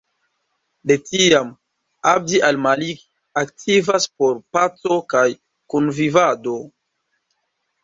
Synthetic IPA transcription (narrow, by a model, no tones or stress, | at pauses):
letiam | ap̚diʔalmaliɡ | aktʰivaspoɾpat͡so̞kaj | kunvivado̞